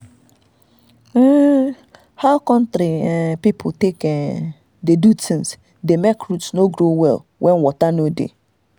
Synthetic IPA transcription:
haʊkɔ̃ntɾiɛpipʰʊtekɛ | dedutʰĩŋs | demekɾutsnoɡɾowɛ̰l | wʔɛ̃nwɔtanodḛ

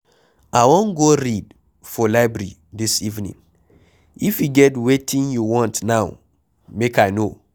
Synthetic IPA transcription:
aɪwɔ̃nɡoɹid | fɔlaɪbɹɛɹḭdisivnḭ̃ŋ | ifjuɡɛtwetʰĩnjuwɔ̃ntnaʊ | mekajno

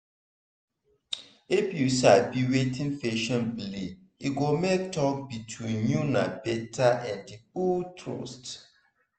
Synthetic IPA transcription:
ifjusabiwetʰĩnfeʃɔ̃nbli | iɡomektɔk̚bitʰwĩnjunabɛtʰaʔɛ̃ndiultʰɹo̰st

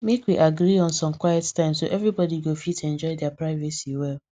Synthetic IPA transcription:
mekwiʔaɡɾiɔ̃nsɔ̃mkwajɛttãɪ̃mso̰ʔɛvɾibɔdiɡofitɛ̃nd͡ʒɔɪdɛapɹaɪvɛsiwɛl

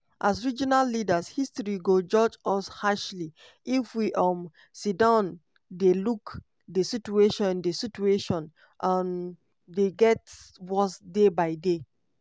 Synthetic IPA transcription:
ʔasɹid͡ʒinalːidashistɹiɡod͡ʒɔd͡ʒɔshaʃli | ifwiʔɔm | sidɔ̃n | deluk | dəsit͡ʃueʃɔ̃ndesit͡ʃueʃɔ̃n | ʔãn | deɡɛtwɔsdebaɪde

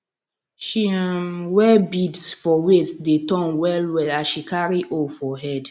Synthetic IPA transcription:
ʃiamwɛbidsfɔwesdetɔ̃nwɛlwɛlaʃikaɹiʔofɔɦɛd

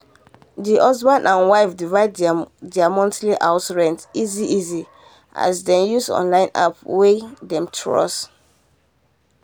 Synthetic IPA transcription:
diʔɔsbãndãnwaɪfdivaɪddɛamɔ̃ntliʔaʊsɹɛ̃ntiziʔizi | ʔa̰sdɛ̃njusɔ̰̃nlãɪ̃na̰pwedɛ̃mtʰɹɔ̰s

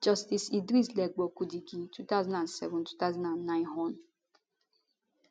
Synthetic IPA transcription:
d͡ʒɔstisidɾislɛɡ͡bɔkudiɡitʰutaʊzãndãnsɛ̰vʊ̃ntu̥tazãnãnːãɪ̃nɦɔn

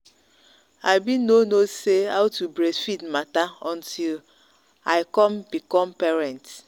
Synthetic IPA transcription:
aɪbinonoseaʊtubɾesfitmataɔ̃ntʰil | aɪkɔmbikɔmpɛɹɛ̃nt

